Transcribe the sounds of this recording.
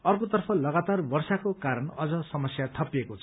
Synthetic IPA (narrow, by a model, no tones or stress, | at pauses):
ʌrkot̪ʌrpʰʌlʌɡat̪arbʌrsakokaɾʌnʌd͡zʌsʌmʌsjat̪ʰʌpjekot͡sʰ